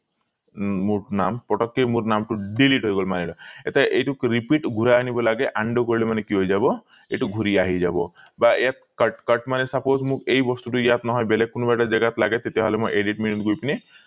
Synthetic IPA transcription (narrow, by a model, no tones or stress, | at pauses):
munampɔʈɔkːemuɾnamʈuɖiliʈɦojɡɔlumanilɔet̪eʔejʈukɾipiʈɡʱuɾaːnibɔlaɡeʔaɳɖokɔɾilemanekiɦojd͡ʒabɔ | eʈuɡʱuɾiaɦid͡ʒabɔ̰ | bajat̪̚kəʈkəʈmanesapozmũkejbɔst̪uʈujat̪nɔɦɔjbelekunubaʈad͡ʒeɡat̪laɡet̪et̪iɦɔ̰lemɔjʔeɖiʈminit̪ɡojpini